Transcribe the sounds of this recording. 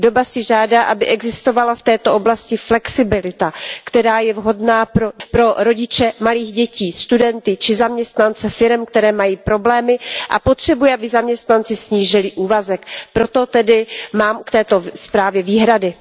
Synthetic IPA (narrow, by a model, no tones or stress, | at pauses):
do̞basɪʒaːdaːʔabɪʔɛɡzɪst̪o̞valaft̪ɛːt̪o̞ʔo̞blascɪflɛksɪbɪlɪt̪akt̪ɛɾaːjɛvɦo̞dnaːpɾopɾo̞ɾo̞ɟɪt͡ʃɛmaliːxɟɛciːst̪udɛnt̪ɪt͡ʃɪzamɲɛst̪nant͡sɛfɪɾɛmkt̪ɛɾɛːmajiːpɾo̞blɛːmɪʔa̰pot̪r̝̥ɛbujɛʔabɪzamɲɛst̪nant͡sɪsɲiːʒɪlɪʔuːvazɛkpɾo̞t̪o̞t̪ɛdɪmaːmkt̪ɛːt̪o̞spɾaːvjɛviːɦɾadɪ